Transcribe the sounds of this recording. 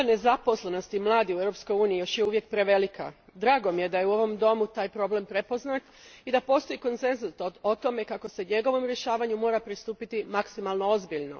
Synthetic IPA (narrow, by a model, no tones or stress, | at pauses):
ane̞zapo̞sle̞no̞st̪imlˠaːd̪iueɾo̞pskojuːniijo̞ʃjeuʋje̞k̚pɾe̞ʋe̞likʰa̰d̪ɾaːɡo̞mije̞d̪aje̞uo̞ʋo̞md̪o̞mut̪aːjpɾo̞ble̞mpɾe̞po̞znat̪ | id̪apo̞ːst̪o̞jiko̞nt̪se̞nzusoo̞t̪o̞me̞kako̞se̞ɲe̞ɡo̞ʋo̞mɾje̞ʃaːʋaɲumo̞ːɾapɾist̪uːpit̪imaksimalˠno̞o̞zbiʎno̞̰